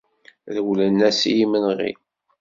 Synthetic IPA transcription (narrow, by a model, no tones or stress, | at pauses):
ðəwlənːæsijimənʁḭ